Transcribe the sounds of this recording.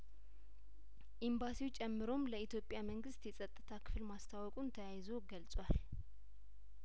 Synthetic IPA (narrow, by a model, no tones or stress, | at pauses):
ʔimbasiwut͡ʃʼɛmːɨɾo̞mləit̪jo̞pʼjaməŋɡɨst̪jɛsʼət̪ʼːɨ̥t̪ʰakʰɨ̥fɨlmast̪ʰawɔkʼunt̪ʰəjajzo̞ɡəlsʼwal